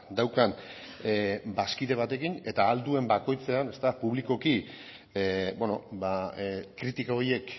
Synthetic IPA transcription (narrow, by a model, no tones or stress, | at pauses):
d̪awkan | baskiðe̞β̞at̪e̞kine̞t̪aːld̪ue̞mbako̞jt͡se̞ane̞st̪apuβ̞liko̞ki | bono̞bakɾit̪ikaoɾje̞k